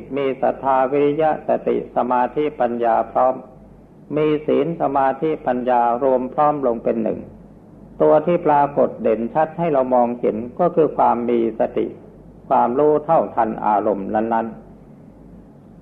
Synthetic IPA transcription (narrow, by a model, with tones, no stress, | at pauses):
miː˧sa̰˨˩t̪ʰːaː˧wi˦˥t̪ʰja˦˥ʔsa˨˩t̪ḭ˨˩ʔsa˧maː˧t̪ʰi˦˥pa˧njaː˧pʰɾɔː˦˥mː | iː˧sḭː˩˦nsa˧maː˧t̪ʰi˦˥pa˧njaː˧ɾu˧əmpʰɾɔː˦˥mlo˧ŋpe˧nːɯ̰˨˩ŋ | t̪u˧ɐt̪ʰiː˥˩pɾaː˧ko˨˩t̪̚de˩˦nt͡ɕʰa˦˥t̪̚ha˥˩jɾa˧wmɔː˧ŋhe˩˦nkɔː˥˩kʰɯː˧kʰwaː˧mːiː˧sa˧t̪ḭ˨˩ʔ | kʰwaː˧mɾuː˦˥˩t̪ʰa˥˩wt̪ʰa˧nʔa̰ː˧ɾo˧mna˦˥nːa˦˥n